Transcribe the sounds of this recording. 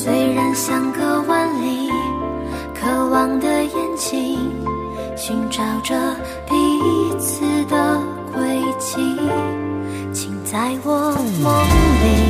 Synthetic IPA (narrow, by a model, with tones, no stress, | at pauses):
swe˧˥ɪɻa˧˥nɕjɑ˧˥ŋkə˧wa˥nli˧˩ | kʰɤ˧wɑ˨˧ŋd̪ə˧jɛ˧˥nt͡ɕʰi˧˥ŋ | ɕi˧˥ŋʈ͡ʂɑ˨˩ʊʈ͡ʂə˧ | pi˨˩˥t͡sʰɹ̩˧˩d̪ə˧˩ | kwe˧˥ɪt͡ɕʰi˧˥ | t͡ɕʰi˨ŋt͡sa˥˧ɪwɔ˨˩mɔ˧˥li˨˩